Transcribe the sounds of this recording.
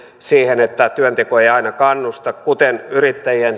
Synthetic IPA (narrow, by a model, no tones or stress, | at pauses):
siːhenet̪ːæt̪yønt̪ekoeijɑinɑkɑnːust̪ɑkkut̪enyrit̪ːæjien